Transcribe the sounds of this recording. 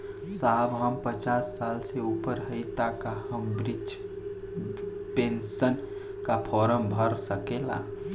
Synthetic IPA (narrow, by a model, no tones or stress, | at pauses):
sabɦəmpət͡ʃasːalseupəɾɦəɪt̪akahəmbɾit͡ʃ | pensən | kapʰɔɾəmbʱəɾsəkelã̰